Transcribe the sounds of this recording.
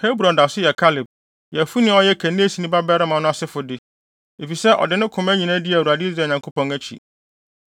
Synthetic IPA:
he˦bɾɔ̃˨nda˨sʊ˦jɛ˨kʰa˦lɪ˨b̚ | jɛ˨fu˦nɪ̃˦ɔ˦jɛ˦kʰæ̃˨nĩ˦æ˦si˨nĩ˦ba˦bɛ˦ɾɪ˦mã˨˦nʊ̃˦a˨sɪ˦fʊ˨dɪ˦ | e˨fi˨sɛ˦ʔɔ̰˨dɪ˨˦nɪ̃˦kʰʊ̃˨mæ˦ɲĩ˨nã˦dɪ˦æ˨u˨a˨dɪ˦i˦ɾeː˨ɲã˨ŋkʰo˦pɔ̃˦ŋæ˦t͡ɕʰḭ˨

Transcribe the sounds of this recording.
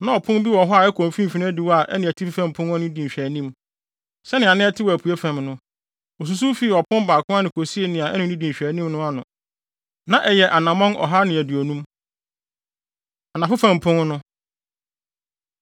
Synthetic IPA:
nã˦ɔ˨pʰʊ̃˦m˦bi˦wɔ̃˨ɦɔ˦a˨ɛ˦kʰõ˨m˨fĩ˦m̩˨fi˨ñ˦di˨wa˨ʔɛ̰˦nɪ̃˨æ˨tʰi˦ffæ̃˦mpʰʊ̃˦nɔ˦nʊ̃˦dĩ˨ɕᶣæ˨nĩ˦m | sɛ˦nɪ̃˨a˨nɪ̃˦ɛ˦tʰɪ˦wɔ˨æ˨pʰu˨e˦fæ̃˨mnʊ̃˦ | o˨s̬u˨s̬u˦fi˦˨ɔ˨pʰʊ̃˦m˦baː˨kʰʊ̃˦a˦nɪ̃˨kʰo˨si˦e˦nɪ̃˨a˨ɛ˦nʊ̃˨˦ĩ˦dĩ˨ɕᶣæ˨nĩ˦mnʊ̃˦a˦nʊ̃˨ | nã˨ʔɛ˨jɛ˨ʔa˨nã˨mɔ̃˦nɔ̰˨ɦa˦nɪ̃˨æ˨du˨ɔ˨nũ˦m | a˨nã˨fʊ˦fæ̃˨m˨pʰʊ̃˦n˦nʊ̃˦

